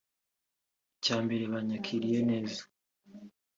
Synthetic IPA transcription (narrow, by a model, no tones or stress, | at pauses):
caːmbe̞ɾeβaɲakʰiɾije̞ne̞ːzḁ